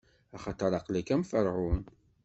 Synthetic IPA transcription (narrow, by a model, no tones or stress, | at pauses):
ɑχɑt̪ˤəɾˤɑqlækæmfəɾʁʊn